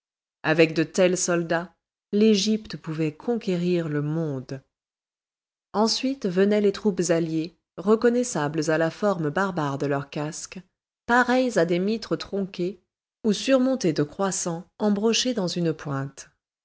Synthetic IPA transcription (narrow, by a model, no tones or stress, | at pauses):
avɛk̚d̪ət̪ɛlsɔld̪a | leʒipt̪əpuvɛkʰɔ̃kʲeʁiʁləmɔ̃d̪ | ɑ̃sɥit̪vənɛlet̪χupzalje | ʁəkɔnɛsabləzalafɔʁmbaʁbaʁd̪əlœʁkask | paʁɛjzad̪emit̪χət̪χɔ̃kʲe | usyʁmɔ̃t̪ed̪əkχwasɑ̃ɑ̃bʁɔʃed̪ɑ̃zynpwɛ̃t̪